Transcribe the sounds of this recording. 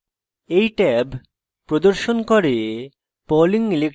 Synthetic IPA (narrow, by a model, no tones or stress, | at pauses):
ejʈɛb | pɾod̪oɾʃonkoɾe | poliŋilek